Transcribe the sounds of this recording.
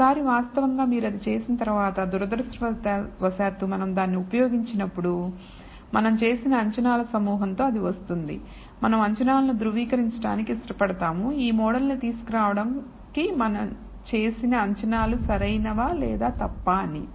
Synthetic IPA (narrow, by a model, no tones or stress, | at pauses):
aːɾiʋaːst̪ɐʋɐŋɡaːmiːɾɐd̪it͡ʃe̞ːsinɐt̪ɐɾuʋaːt̪ɐd̪uɾɐd̪ɐɾuʂʈɐʋɐʋɐsaːt̪umɐnɐmd̪aːnːiupɐjo̞ːɡiɲt͡ʃinɐpːuɽu | mɐnɐmt͡ʃe̞ːsinɐːɲt͡ʃɐnaːlɐsɐmuːɦɐnt̪o̞ːɐd̪iʋɐst̪und̪ḭ | mɐnɐmɐɲt͡ʃɐnaːlɐnud̪ɾuʋiːkɐɾiɲt͡ʃɐɽa̰ːnikiːʂʈɐpɐɽɐt̪aːmuiːmɔːɽɐnlit̪iːsu̥kuɾaːʋɐɽɐm | kimɐnɐm | t͡ʃe̞ːsinɐːɲt͡ʃɐnaːlusɐɾɐjnɐʋaːlɛːd̪aːt̪ɐpːaːni